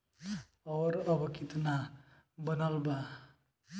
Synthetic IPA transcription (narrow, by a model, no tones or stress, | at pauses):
ɔːɾʌbʌkit̪na | bənalba